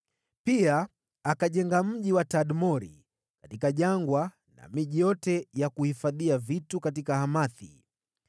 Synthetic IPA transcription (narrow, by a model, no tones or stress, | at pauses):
piaː | kaʄɛŋɡam̩ʄiwataɗmɔɾḭ | kḁtikaʄaŋɡwa | na̰miʄijɔtɛjakuhifaðiavitukat̬ikahamaθḭ